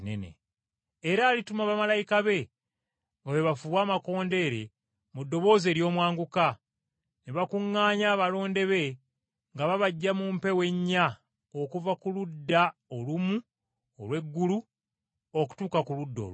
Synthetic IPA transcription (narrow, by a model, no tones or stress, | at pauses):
nḛnḛː | ɾaːlitumaβamalajikaβe̞ | oβeβafuβwaːmako̞ːnde̞ːɾe̞̰ | mudːo̞βo̞ːze̞ːɾjo̞ːmwaːŋɡuka | neβakuŋːaːɲaːβalo̞ːnde̞βe̞ | ŋɡaβaβaɟːamumpe̞we̞ɲːa | okuvakuludːaolumu | olwe̞ɡːulu | o̞ku̥tuːkakuludːo̰l